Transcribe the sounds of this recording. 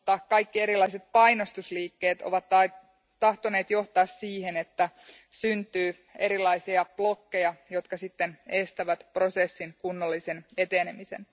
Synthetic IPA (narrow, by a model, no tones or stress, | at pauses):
t̪ːɑkkɑjkːie̞ɾilːɑiset̪̚pɑjnost̪usliːkːe̞ːt̪o̰ʋɑt̪ːɑ | t̪ɑht̪one̞ːt̪jo̞ht̪ɑːssiːhenet̪ːæ | synt̪yː | e̞ɾilːˑɑisiɑplo̞kːejɑjo̞t̪kɑsit̪ːenest̪æʋæt̪pro̞sesːiŋkunːolːisene̞t̪eːnemise̞̰n